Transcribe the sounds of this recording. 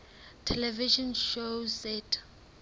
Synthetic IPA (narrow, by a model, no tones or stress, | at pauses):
tʰɛlɛviʃɔnʃosɛtʰ